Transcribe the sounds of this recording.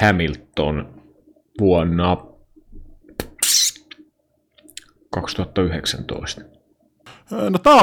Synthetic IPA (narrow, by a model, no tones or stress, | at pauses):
æmilt̪ːo̰n | ʋuɔnːɑ | kɑkst̪uhɑt̪ːɑyheksæ̰nt̪o̰ist̪ɑ̥ | not̪ɑː